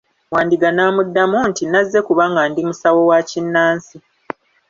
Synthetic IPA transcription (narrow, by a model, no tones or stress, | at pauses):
waːndiɡanaːmudːamuntinazːe̞kuβaːŋɡaːndimusawo̞wacinːaːnsi